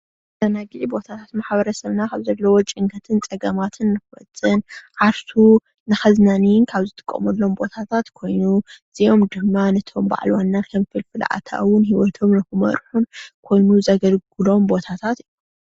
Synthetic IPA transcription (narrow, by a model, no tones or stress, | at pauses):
t̪ʰɐnaɡiʕibo̞t̪ʰat̪ʰat̪maħbɐɾɐsɐβnakʰaβzɐlːɐwot͡ʃʼɪŋkʰɐt̪ʰɨnt͡sʼɐɡɐmat̪ʰɨnːɨxɨwɐ̰t͡sʼːɨnʕaɾsu | nɨxɐznanijɪnkʰaβzɨt̪ʰʼɨ̥kʼːɐ̰mɐlːo̞mbo̞t̪ʰat̪ʰat̪kʰo̞jnuz̥iʔo̞md̪ɨmːanɐt̪ʰo̞mba̰ʕ̰lwanːankʰɐmfɨlfɨl̰ʔa̰t̪ʰa̰wʊnhiwɔt̪ʰo̞mnɨxɨmɐ̰ɾħunkʰo̞jnuzɐɡɐlɡɨlo̞mbo̞t̪ʰat̪ʰat̪ijːum